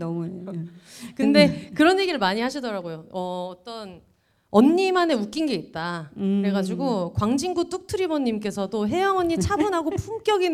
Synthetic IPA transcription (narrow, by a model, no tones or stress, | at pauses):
ʌmue | kɯnde̞kɯɾʌnje̞ɡiɾɭmaɲiɦaɕʰidʌɾaɡojoʌːt͈ʌn | ʌnːimane̞uk͈inɡe̞it̚t͈aɾe̞ɡad͡ʑiɡokwaŋd͡ʑinɡut͈uk̚tʰɯɾibʌɲːimk̬͈e̞sʰʌdoɦe̞jaŋʌnːit͡ɕʰabunɦaɡopʰumk͈jʌɡin